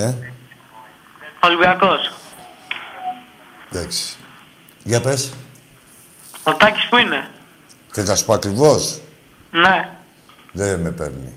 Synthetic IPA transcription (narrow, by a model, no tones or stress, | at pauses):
e | olwiakos | ðaksi̥ | ʝapes | ot̪ɐci̥spuine | cet̪ɐsu̥poakɾivos | ne | ðenemepḛɾnḭ